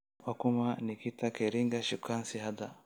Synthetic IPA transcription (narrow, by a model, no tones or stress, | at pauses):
wakumanikit̪akeɾiŋɡaʃikʰansihad̪a